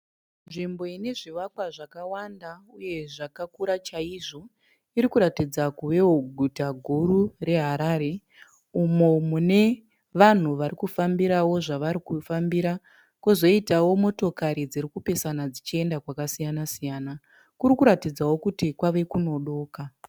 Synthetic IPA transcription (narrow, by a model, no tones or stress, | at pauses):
nʐimbo̞ine̞ʐiʋakwaʐakawandauje̞ʐakakuɾat͡ʃaiʐo̞ | iɾikuɾatid͡zakuʋe̞woɡʱutaɡʱuɾure̞ɦaɾaɾe̞ | umomune̞ | ʋan̤uʋaɾikufambiɾawo̞ʐaʋaɾikufambiɾa | kuzo̞itawo̞mo̞to̞kaɾid͡ziɾikupe̞sanad͡zit͡ʃie̞ndakwakasijanasijaːna | kuɾikuɾatid͡zawo̞kutikwaʋe̞kuno̞ɗo̞ːka